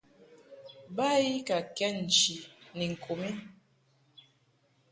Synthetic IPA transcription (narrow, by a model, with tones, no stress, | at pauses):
ba˦ji˦ka˨kɛ˦n̩˨t͡ʃi˨ni˨ŋ̩˨kʰo˨mi˦